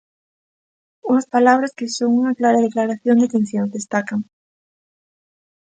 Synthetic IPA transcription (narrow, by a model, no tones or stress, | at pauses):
uŋaspalaβ̞ɾaskesoŋuŋaklaɾaðeklaɾaθjond̪et̪enθjonzd̪est̪akaŋ